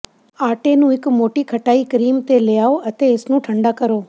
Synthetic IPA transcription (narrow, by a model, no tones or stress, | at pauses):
aːʈenũːɪkmoːʈikʰəʈaːikɾiːmt̪elejaːoət̪eɪsnũːʈʰəɳɖakəɾoː